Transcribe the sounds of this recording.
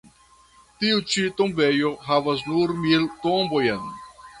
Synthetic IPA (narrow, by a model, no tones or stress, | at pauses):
tiut͡ʃitombejo̞ɦavas̬nuɾmilt̪ombojen